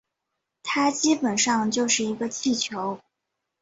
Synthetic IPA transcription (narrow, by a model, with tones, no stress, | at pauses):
t̪ʰa˥t͡ɕi˥pə˨˩nʂɑ˥˧ŋt͡ɕjo˥˧ʊʂɻ̩˥˩i˧˥ɡə˧t͡ɕʰi˥˩t͡ɕʰjo˧˥ʊ